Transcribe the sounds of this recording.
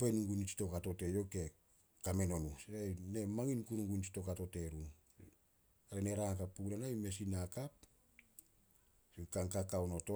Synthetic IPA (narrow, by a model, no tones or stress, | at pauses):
penuŋɡunit͡ʃi̥to̞kato̞te̞joke̞ | kame̞no̞nusajne̞maŋinkunuŋɡunt͡ʃi̥to̞kato̞te̞ɾu | aɾeneɾaŋakapːuɡnanajme̞sinakap̚ | sikaŋkakawno̞to